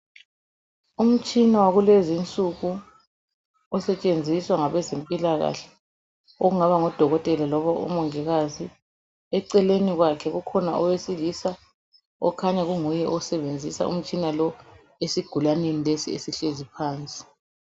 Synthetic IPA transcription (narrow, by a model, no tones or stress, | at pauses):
um̩t͡ʃʼinawaɣulwezint͡sʼuɣu | ɔsɛt͡ʃʼend͡zʱiswaŋaβɛzempʼilaɣa̰ɬɛ̥ | oɣuŋaβaŋɔd̥ʱɔɣɔtʼɛlalɔβaṵmɔŋɛɣazi | ɛǀɛleniɣwakʰɛɣukʰɔnaɔwesilisa | ɔ̰kʰaɲaɣuŋujɛʔɔsɛβend͡zʱisa̰ʔṵm̩t͡ʃʼinalɔ | esiɡ̥ʱulanenilesiesiɬezipʰaːnt͡sʼi̥